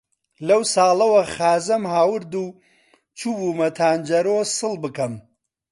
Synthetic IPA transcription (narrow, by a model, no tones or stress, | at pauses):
lɐwsaːlɐwɐxaːzɐmhaːwɨɾd̪u | t͡ʃuːbumɐt̪ʰaːnd͡ʒɐɾoːsɨlbɨkɐm